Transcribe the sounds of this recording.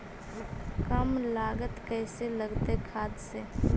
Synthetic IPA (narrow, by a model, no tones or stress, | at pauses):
kəmlaːɡət̪kɛːseləɡt̪ekʰaːd̪seː